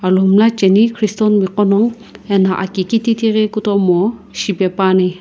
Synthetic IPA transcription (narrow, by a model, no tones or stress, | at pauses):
alumlat͡ʃenikʰɾistɔnmikɔnɔŋ | enaʔakikititiɾekutɔmɔsibepani